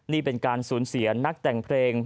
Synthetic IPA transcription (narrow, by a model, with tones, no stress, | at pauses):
niː˥˩pe˧nkaː˧nsuː˩˦nsi˩˦ɐna˦˥k̚t̪ɛ˨˩ŋpʰleː˧ŋ